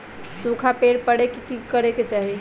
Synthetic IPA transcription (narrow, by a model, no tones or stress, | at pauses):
sukʰapeɽpəɽekikikəɾeket͡ʃaɦi